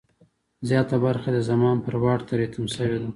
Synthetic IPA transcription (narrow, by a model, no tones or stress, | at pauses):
zjɑt̪abaɾxad̪əzamɑnpəɾwɑʈt̪aɾet̪umsəwed̪a